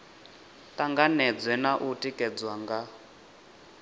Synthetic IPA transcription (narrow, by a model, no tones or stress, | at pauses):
tʼaŋɡanɛd͡zwɛnaʔutʼikʼɛd͡zwaŋɡa